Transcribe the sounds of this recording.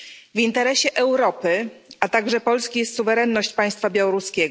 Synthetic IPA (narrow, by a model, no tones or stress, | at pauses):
vint̪ɛɾɛɕɛʔɛwɾɔpɘat̪aɡʐɛpɔlskʲijɛst̪suvɛɾɛnːɔɕt͡ɕpaj̃st̪fabʲjawɔɾuskʲɛ